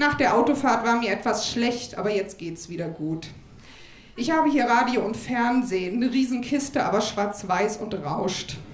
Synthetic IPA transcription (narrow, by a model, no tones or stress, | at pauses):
naːχd̥eːɐʔaʊtofaːɐtv̥aːɐmiːɐʔɛtv̥asʃlɛçtʔa̰ːbɐjɛt͡st̚ɡ̥eːtsv̥iːɾɐɡuːt | ʔɪçhaːbəhiːɐʁaːdioːʊntfɛɐnzeːnəʁiːzn̩kʰɪstəʔa̰ːbɐʃv̥aɐt͡sv̥aɪsʊntʁaʊʃt